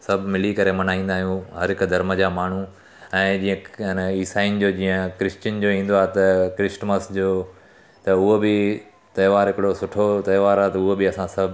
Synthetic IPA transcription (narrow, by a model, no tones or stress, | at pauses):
sɐbʱmɪlikɐɾemɐnaːĩːnd̪aːɦijũɦɐɾɦɪkd̪ʱɐɾməd͡ʑamaːɳ̤ũ | ɛ̃ːd͡ʑĩːə̃ɪnəiːsaːɪnɪ̆d͡ʑoːd͡ʑĩːə̃kɾɪst͡ɕənd͡ʑoːĩːn̆d̪oaːɦet̪ɐkɾɪsʈməsd͡ʑoː | t̪ɐʊɦobɪ | t̪ɐːʋaːɾɦɪkɪɽosʊʈʰot̪ɐːʋaːɾaːt̪ɐʊɦobɪɐsãsɐbʱ